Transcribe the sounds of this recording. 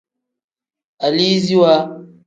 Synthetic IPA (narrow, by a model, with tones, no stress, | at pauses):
a˨li˦zi˦wa˦